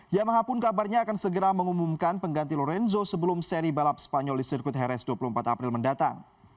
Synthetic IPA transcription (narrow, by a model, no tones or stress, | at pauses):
jamaɦapʊnkabarɲaːkansəɡəɾaməŋumumkanpəŋɡant̪ilɔɾɛnzosəbəlʊmsɛɾibalap̚sə̥paɲɔldisirkʊt̪ɦɛɾɛsduapulumpat̪apɾɪlməndat̪a̰ŋ